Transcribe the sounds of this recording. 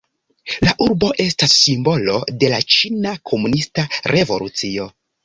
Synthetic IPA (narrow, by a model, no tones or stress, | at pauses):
laʔuɾbo̞ʔe̞stasːimbo̞lo̞̰de̞lat͡ʃinakʰo̞munistaɾʔe̞vo̞̰lṵt͡sio̞